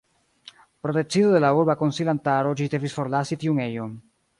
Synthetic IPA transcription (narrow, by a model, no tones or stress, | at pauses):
pɾotet͡sidode̞lauɾbakonsilantaɾo̞d͡ʒide̞visfo̞ɾlasitiuŋe̞jon